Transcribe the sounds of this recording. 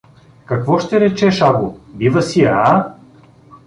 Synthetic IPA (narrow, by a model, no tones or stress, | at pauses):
kɐkvɔʃt̪ɛɾɛt͡ʃɛʃabʊbivɐsia